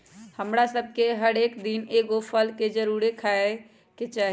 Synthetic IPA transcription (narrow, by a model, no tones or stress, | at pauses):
həmɾasəb̚ʱkeɦəɽeːkd̪ineɡopʰəlked͡ʒəɾuɾekʰae | ket͡ʃaːɦ